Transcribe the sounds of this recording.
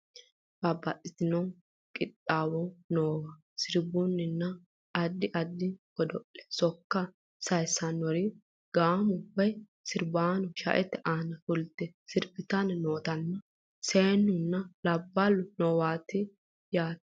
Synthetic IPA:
b̥ɐbːɐtʼːɪt̪ɪnɔ | kʼɪt̪ʼːaːwɔnoːwɐ | sɪɾbʊnːɪnːɐ | ɐd̪ːɪʔɐd̪ːɪkɔd̪ɔʔɛ̥sɔkːɐ | sɐjsɐnːɔɾɪ | ɡ̥aːmʊbːɐj | sɪɾbaːnɔʃɐ̰ʔɛt̪ːɛʔaːnɐfʊlt̪ːɛsɪɾbɪt̪ɐnnoːt̪ɐnːɐ | seːnːʊnːɐlɐbːɐlːʊnɔwaːt̪ɪ | jaːt̪

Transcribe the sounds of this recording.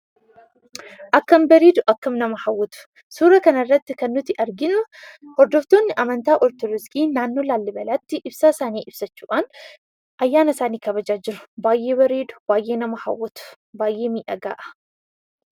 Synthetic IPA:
ʔɐkːɐmbɐɾiːd̪ʊʔɐkːɐmnɐmɐhɐwːɐt̪ʊ̥ | suːɾɐkɐnɐrːɐt̪ːɪkɐnːʊt̪ɪʔɐɾɡɪnʊhɔɾd̪ɔft̪o̞ːnːɪʔɐmɐnt̪aːʔɔɾt̪ʊɾɪskʼiːnaːnːo̞ːlaːlːɪbɐlat̪ːɪʔɪbsaːɪsaːniːʔɪb̥sɐt͡ʃːuːʔaːn | ʔɐjːaːnɐsaːniːkɐbɐd͡ʒaːd͡ʒɪɾʊ̥baːjːe̞ːbɛɾiːd̪ʊ̥b̥aːjʔeːnɐmɐhɐ̰wːɐt̪ʊ̥ | baːjʔeːmiːʔɐɡa̰ːʔɐ̥

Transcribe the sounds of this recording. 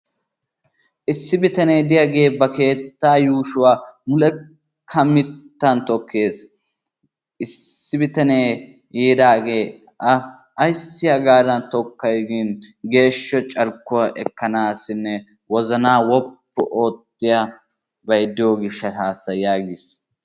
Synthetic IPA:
ʔɪsːɪbɪt̪ɐneːd̪ɪjɐɡe̞ːbɐke̞ːt̪ːaːjuːʃʊwaːmʊlɛ | kʰɐmːɪt̪ːɐnt̪ɔkːe̞ːs | ʔɪsːɪbɪt̪ɐneː | jeːd̪aːɡeː | ʔɐː | jsːɪjaɡaːɾɐnt̪ɔkːɐjɡɪnɡe̞ːʃːɔt͡ʃʼɐɾkːʊwɐʔɛkːɐnaːsɪnːɛ | wɔzɐnaːwɔpːʊʔo̞ːt̪ːɪja | bɐjd̪ɪjoːɡɪʃːɐaːsːɐjaːɡɪs

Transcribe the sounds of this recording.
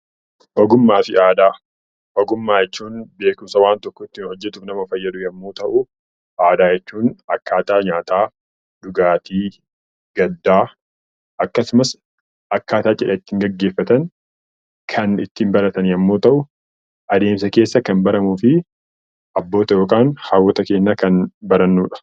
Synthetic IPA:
ʔɔɡʊmːaːfɪʔaːd̪aː | ʔɔɡʊmːaːjɛt͡ʃːuːnbe̞ːkʊmsɐwaːnt̪ɔkːɔɪt̪ːiːnhɔd͡ʒːɛt̪ʊːfnɐmɐfɐjːɐd̪ʊjɐmːo̞ːt̪ɐʔʊ | ʔaːd̪aːjɛt͡ʃːuːnɐkːaːt̪aːɲaːt̪aː | d̪ʊɡaːt̪ʰiː | ɡ̥ɐd̪ːaː | ʔɐkːɐsʊmɐs | ʔɐkːaːt̪aːt͡ʃʼɪᶑɐɪt̪ːiːŋɡɐɡːe̞ːfːɐt̪ɐn | kʰɐnɪt̪ːiːmbɐɾɐt̪ɐnjɐmːo̞ːt̪ɐʔʊ | ʔɐd̪e̞ːmsɐke̞ːsːɐkɐnbɐɾɐmuːfɪ | ʔɐbːo̞ːt̪ɐjo̞ːkʼaːnhaːwɔt̪ɐke̞ːnːɐkɐnbɐɾɐnːuːᶑɐ̥

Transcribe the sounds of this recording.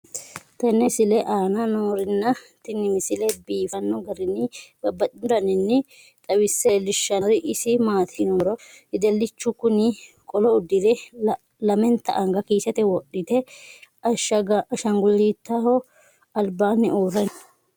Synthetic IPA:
t̪ɐnːɪsɪlɛʔaːnɐnoːɾɪnːɐt̪ɪnːɪmɪsɪlɛbiːfɐnːɔɡɐɾɪnɪbɐbːɐt̪ʼɪd̪ɐnɪnːɪ | t̪ʼɐwɪsːɛlɪʃːɐɾɪʔɪsɪmaːt̪ʰɪnoːɾɔ | ɪd̪ɛlːɪt͡ʃːʊkʊnɪ | kʼɔlɔʊd̪ɪd̪ɛ | lɐmɛnt̪ːɐ̰ʔɐŋɡɐkiːsɛt̪ɛwɔɗːɪt̪ɛɐʃɐɡɐʃɐŋɡʊlːiːt̪ːɐhɔ | ɐlbaːnːɪʔuːrːɛn

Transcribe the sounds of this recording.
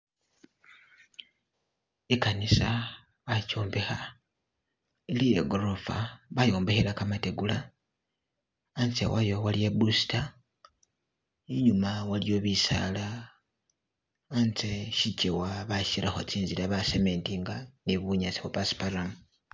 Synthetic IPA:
ikanisa | βacoːmbexa | ilijeɡoɾofaβajo̞ːmbexelakamate̞ɡula | nt͡sḛwajo̞walijebusi̥ta | iɲumawaljo̞βisa̰la | nt͡seʃicewaβaʃiɾaxo̞̰t͡siːnziɾaβaseme̞ntiŋɡaniβuɲat͡siβapaspaɾam

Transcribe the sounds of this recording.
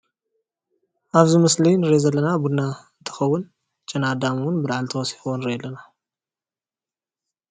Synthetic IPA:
ʔaβzɨmɨslinɨɾezɐlːɐnabud̪naɨnt̪ʰɨ̥xɐwːʊn | t͡ʃʼɐnad̪amwʊnbɨd̪aʕalt̪ʰɐwɔsi̥xwonɨɾeɐlːɐna

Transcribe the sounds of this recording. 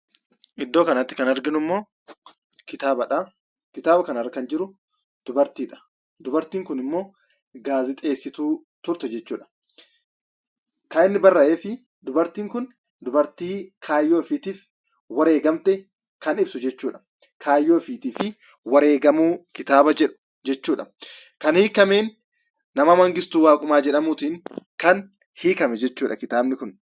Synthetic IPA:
ʔɪd̪ːoːkɐnɐt̪ːɪ̥kɐnɐɾɡɪnʊɪmːoː | kɪt̪aːbɐᶑa | kɪt̪aːbɐkɐnɐrːɐkɐnd͡ʒɪɾʊ | d̪̥ʊbɐɾt̪iːᶑɐ̥ | d̪ʊbɐɾt̪iːŋkʊnɪmːo̞ː | ɡaːzɪt̪ʼe̞ːsːɪt̪uː | t̪ʊɾt̪ɛd͡ʒɛt͡ʃːuːᶑɐ̥ | kaːɪnːɪbɐrːɐʔeːfɪ | d̪ʊbɐɾt̪iːŋkʊn | d̪ʊbɐɾt̪iːkʰaːjːoːɪfit̪iːf | wɐɾe̞ːɡɐmt̪ɛ | kɐnɪbsʊd͡ʒɛt͡ʃːuːᶑɐ̥ | kʰaːjːoːɪfiːt̪iːfɪ | wɐɾe̞ːɡɐmuːkɪt̪aːbɐd͡ʒɛᶑʊ̥ | d͡ʒɛt͡ʃːuːᶑɐkɐnhiːkːɐmeːnː | ɐmɐmɐŋɡɪst̪uːwaːkʼʊmaːd͡ʒɛᶑɐmuːt̪iːŋkɐn | hiːkɐmɛd͡ʒɛt͡ʃːuːᶑɐkɪt̪aːbnɪkʊn

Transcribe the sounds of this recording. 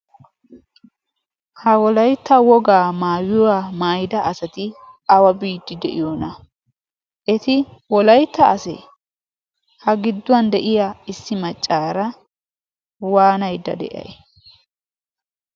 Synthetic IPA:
hɐwɔlɐjt̪ːɐwɔɡaːmaːwɪwamaːjd̪ɐːsɐt̪ɪ | ɐwɐbiːd̪ːɪd̪ɛʔɪjoːnɐ | ʔɛt̪ɪwɔlɐjt̪ːɐːsɛ̰ | hɐɡɪd̪ːʊwɐnd̪ɛʔɪjaɪsːɪmɐt͡ʃʼːaːɾɐ | waːnɐjd̪ɐ̰d̪ɛ̰ʔɐ̰j

